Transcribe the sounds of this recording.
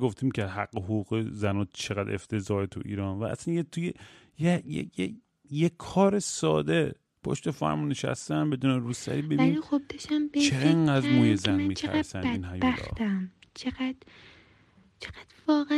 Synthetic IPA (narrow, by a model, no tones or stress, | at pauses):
ɡoft̪ʰiːmkʰɦæɡːeɦoɡuːɣezænɒːt͡ʃʰeɣæd̪eft̪ʰe̞zɒːet̪ʰuʔḭːɾɒːnvæʔæ̰sænjet̪ʰuje | jejḛje | jekʰːɒːɾesɒ̰ːd̪e̞ | pʰoʃt̪efæ̰ɾmuneʃæ̰st̪ænbe̞d̪uːneɾuːsæ̰ɾiːbeinlixobbeʃæmbt͡ʃʰeeŋɢæd̪ɾmuːjezænmmiːt͡ʃʰæ̰ɾsæniːnɦæjæɾɒ̰t̪æmt͡ʃʰeɣæd̪̥ | t͡ʃʰeɣæd̪̥vɒːɣæ